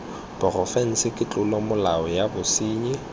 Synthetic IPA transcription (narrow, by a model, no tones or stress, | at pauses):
b̥ʊrɔfɛn̩sɪkʼɪt͡ɬʼʊlɔmʊlaɔjabʊsiːɲɪ